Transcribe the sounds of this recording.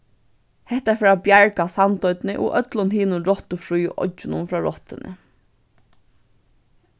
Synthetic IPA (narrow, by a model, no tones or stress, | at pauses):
hɛht̪afɛːɾabjaɹkasant̪ɔʏt̪nɪʔʊ̰ʔœt̪lʊnɦiːnʊɾɔt̪ʊfɾujʔɔ̰t͡ʃːɪnʊ̰nfɹaːɹɔ̰ht̪ɪ̰nɪ̰